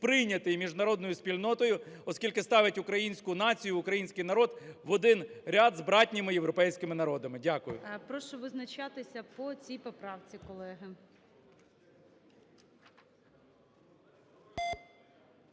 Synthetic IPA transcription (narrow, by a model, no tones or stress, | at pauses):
pɾɪjnʲːɐt̪ɪjmʲiʒnɐɾɔd̪nɔjʊspʲilʲnɔt̪ɔjʊɔskʲilʲkɪst̪ɑʋɪtʲʊkɾɐjinʲsʲkʊnɑt͡sʲijʊːkɾɐjinʲsʲkɪjnɐɾɔd̪ʋɔd̪ɪnɾʲɑd̪zbɾɑtʲnʲɪmɪjewɾɔpɛjsʲkɪmɪnɐɾɔd̪ɐmɪdʲakʊjʊ̰pɾɔʃɔʋɪznɐt͡ʃɑt̪ɪsʲɐpɔt͡sʲijpɔpɾɑwt͡sʲikɔlˠɛɦɪ